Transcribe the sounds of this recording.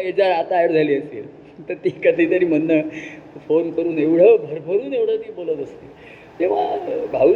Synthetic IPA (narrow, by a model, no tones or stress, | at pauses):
ed͡zaɾat̪ajəɾd͡zʱaliːəst̪ḭl | t̪əɾt̪iːkəd̪ʱit̪əɾiːm̤ənːəfonkəɾuːneʋɽ̤əbʱəɾbʱəɾuːneʋɽ̤ət̪iːbolət̪əst̪i | t̪eʋabʱaʋ